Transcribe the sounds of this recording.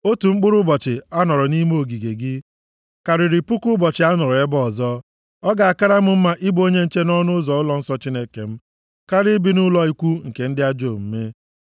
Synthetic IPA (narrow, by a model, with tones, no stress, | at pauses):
o˦tu˨ŋ͡m̩˦k͡pʊ˦ɾʊ˦bɔ˨t͡ʃɪ˨a˦nɔ˨ɾɔ˨ni˦m˦o˨ɡi˨ɡe˨ɡɪ˦ | ka˨ɾɪ˨ɾɪ˨pʊ˦kʊ˦bɔ˨t͡ʃɪ˨a˦nɔ˨ɾɔ˨e˦bɔ˦˨zɔ˦ | ɔ˦ɡa˨a˨ka˦ɾa˦m̩˦m̩˦ma˦ʔi˦bo˦ɲe˦n̩˦t͡ʃe˦nɔ˦nʊ˦ʊ˦zɔ˨ʊ˦lɔ˦n̩˦sɔ˦t͡ʃi˦ne˦ke˨m̩˦ | ka˦ɾɪ˦bi˨nʊ˦lɔ˦i˦kʷu˦ŋ̩˨ke˨n̩˦dɪ˦a˦d͡ʒo˦˨m̩˦me˦